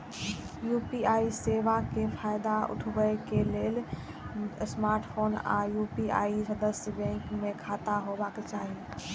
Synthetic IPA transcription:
juːpiaːiseʋakepʰaːjd̪aʊ̰ʈʰʋəekeleːl | smaːɾʈpʰoːna̰ːjuːpia̰ːisəd̪əsjəbɛ̃ːŋkmẽkʰaːt̪aɦobaket͡ʃaːɦi

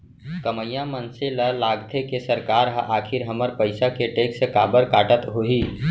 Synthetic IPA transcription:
kəməjãmənseləlaːɡt̪ʰekesəɾkaːɾɦʔaːkʰɪɾɦəməɾpəɪsakeʈeːksekaːbəɾkaːʈət̪ɦoiː

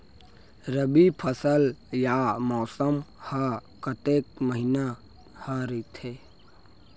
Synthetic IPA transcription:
ɾəbipʰəsəljamɔːsəmha | kət̪eːk̚məɦina | haɾit̪ʰeː

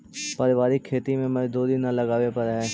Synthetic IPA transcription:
pɐɾɪʋaːɾikʰːeːt̪imẽmɛ̃d̪oːd̪inːalɐɡaːʋepɐɾɦɛ̃

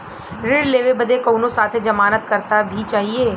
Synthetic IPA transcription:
ɾɪɽleːʋebɐd̪ekoːnosaːt̪ʰed͡ʒɐmaːnət̪kɐɾt̪abʱit͡ʃaːɦieː

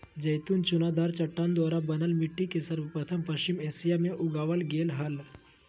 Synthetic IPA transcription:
d͡ʒɐjt̪uːnt͡ʃʊnad̪aːɾt͡ʃɐʈːand̪aːɾabɐnəlmɪʈːikesɐɾʋəpɾɐt̪ʰəmpɐʃt͡ʃɪmeːsijamẽʔʊɡaːʋəlɡeːlɦɐl

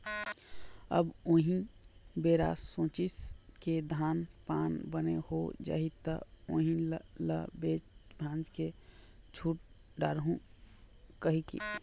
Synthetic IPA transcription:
ə̰boɦĩbeːɾa̰sõːt͡ʃɪsked̪ʱaːnpaːnbənḛhod͡ʒa̰ɦit̪əo̰ːɦĩləbet͡ʃbʱãːnd͡ʒket͡ʃʰuːʈ̚ | ɖaːɾɦũ | kəɦikḭ

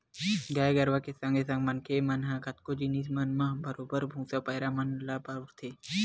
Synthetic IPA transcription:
ɡaːɡɐɾʋakesɐ̃ŋɡes̬ɐ̃ŋɡmɐnkʰemɐnɦãkɐt̪̚kod͡ʒinismɐnmãbɐɾobəɾbʱũːsapɐjɾamɐnlapaɾɾt̪ʰe

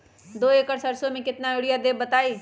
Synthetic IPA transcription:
d̪oːeːkəɾsɐɾsomẽkɪt̪naɪɽijad̪eːbɐt̪aːiː

